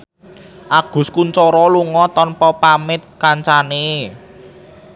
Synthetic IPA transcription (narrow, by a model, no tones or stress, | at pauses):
ʔaɡ̥ʊ̤skuɲt͡ʃɔɾɔluŋɔt̪ɔnpɔpamɪt̪̚kaɲt͡ʃane